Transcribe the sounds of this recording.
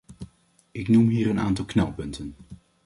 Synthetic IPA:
ɪknumɦiːɾənʔa̰ːntɑlˠknɛ̰lˠpɵntən

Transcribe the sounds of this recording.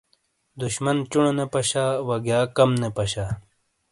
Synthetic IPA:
d̪uɕmɐnt͡ɕuɳonepɐɕaːwɐɡjaːkɐmnepɐɕaː

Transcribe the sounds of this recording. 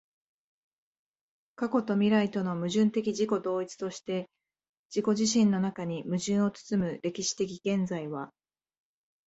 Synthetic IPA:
kako̞t̪o̞mʲiɾait̪o̞no̞mɯ̟ʑɨ̃nt̪e̞kʲiʑiko̞d̪o̞ːit͡sɨ̥t̪o̞ɕi̥t̪e̞ | d͡ʑiko̞ʑiɕĩnːo̞nakaɲ̟imɯ̟ʑɨ̃ɰ̃o̞t͡sɨ̥t͡sɨmɯ̟ɾe̞kʲiɕi̥t̪e̞kʲiɡ̥ẽ̞nd͡zaiβ̞a

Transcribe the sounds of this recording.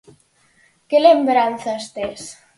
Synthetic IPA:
kelembɾanθast̪es

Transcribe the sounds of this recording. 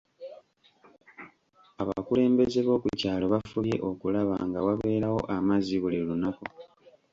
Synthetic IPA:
aβa̰kule̞ːmbe̞ze̞βo̞ːkucaːlo̞βafuβje̞̰ʔo̞kulaβa̰ŋɡawaβe̞ːɾawo̞̰ʔamaziβulelunako̞

